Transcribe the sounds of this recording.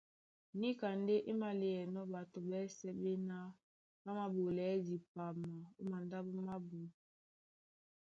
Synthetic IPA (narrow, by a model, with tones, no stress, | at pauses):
ni˦ka˨nde˦ʔi˦ma˦le˨jɛ˨nɔ˦ba˨to˨bɛ˦sɛ˦be˦na˦ | ba˦ma˦bo˨lɛ˨˦di˨pa˨ma˨u˦ma˨nda˦bu˦ma˦bu˨